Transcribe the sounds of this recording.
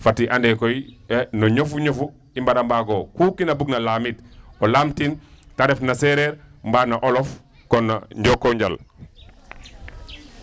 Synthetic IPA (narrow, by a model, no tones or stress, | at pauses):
fatiʔandɛkojnɔɲofuɲofu | imbaɾambaɡokukinabuɡ̚nalaːmitolamtintaɾefnasɛɾeɾmbaːnaʔolɔf | kɔna̰ɲɟɔkːoɲɟa̰l